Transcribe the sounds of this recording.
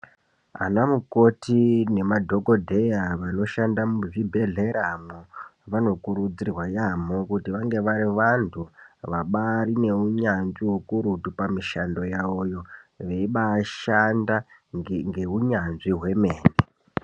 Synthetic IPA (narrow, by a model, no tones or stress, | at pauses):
a̰namuko̞tine̞madʱo̞ko̞dʱe̞jaʋano̞ʃandamuʐibʱe̞ɮe̞ɾamoʋano̞kuɾud͡zirwajamokutiʋaŋɡe̞ʋaɾiʋantʰuʋaɓaɾine̞uɲanʐiɦukuɾutupamiʃando̞jaojo̞ʋe̞iɓaːʃandaŋɡeuɲanʐiɦwe̞me̞ːne